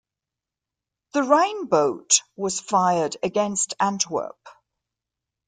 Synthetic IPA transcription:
ðəɹẽɪ̃nbəʊʔwɒz̥faɪədəɡɛ̃nstʰãntʰwə̰ˑp

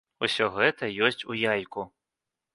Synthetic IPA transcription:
usʲɔɣɛt̪ɐjɔsʲt͡sʲujajku

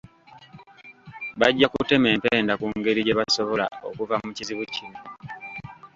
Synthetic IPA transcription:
βaɟːakute̞me̞ːmpeːndakuŋɡe̞ɾiɟe̞βaso̞βo̞la̰o̰kuvamuciziβucino

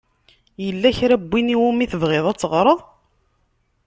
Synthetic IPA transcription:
jəlːæçɾæbːiniwumiθəvʁeðˤæt͡sːəʁɾˤəðˤ

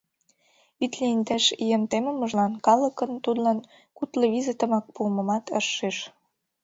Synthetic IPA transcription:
βit̪liind̪æʃiemt̪emə̆mə̆ʒlɑnkɑlə̆kə̆nt̪ud̪lɑn | kut̪lɤβizet̪ə̆mɑk̚puːmə̆mɑt̪ə̰ʃːeʃ

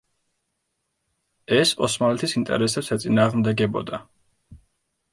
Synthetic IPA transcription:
ɛsɔsmalɛt̪ʰisint̪ʼɛ̰ɾɛsɛpsɛt̪sʼinaːʁmd̪ɛɡɛbɔ̰d̪a

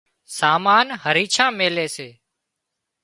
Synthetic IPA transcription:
saːmaːnhəɾiːt͡ʃʰãːmeːleːseː

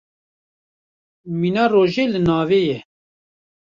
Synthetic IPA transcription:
miːnɑːroːʒeːlɨnɑːveːjɛ

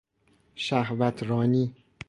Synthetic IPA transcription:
ʃæhvæt̪ʰɾɒːniː

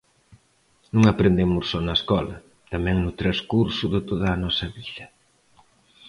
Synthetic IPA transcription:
nũŋapɾend̪emʊssɔnɐeskɔlɐ̰ | t̪amɛ̃ŋnʊt̪ɾɐskuɾsʊðɪt̪oðɐːnɔsɐβiðɐ

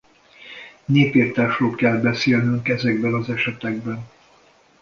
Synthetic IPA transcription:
neːpeːrt̪aːʃroːlkɛlbɛseːlnyŋkɛzɛɡ̚bɛnɒzɛʃɛt̪ɛɡ̚bɛn

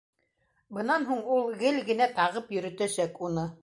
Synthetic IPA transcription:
bɤ̆nɑnɦuɴulˠɡɘlɡɘ̆næt̪ɑʁɤpjɵ̆ɾɘ̆t̪æsækunɤ

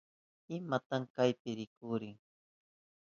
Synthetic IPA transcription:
ɪmat̪aŋkajpɪɾɪkʊɾɪŋ

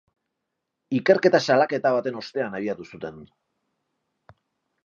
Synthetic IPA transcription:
ike̞ɾke̞t̪asalake̞t̪aβ̞at̪e̞no̞st̪e̞anaɾiat̪usut̪e̞n

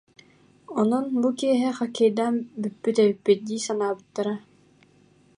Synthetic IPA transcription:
ɔnɔnbukiɛɦɛχakɛjd̪anbyt̪̚pːyt̪ɛβipːit̪̚d̪iːsanaːbɯt̪ːaɾa

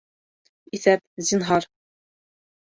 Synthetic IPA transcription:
iθæp̚zinɦɑɾ

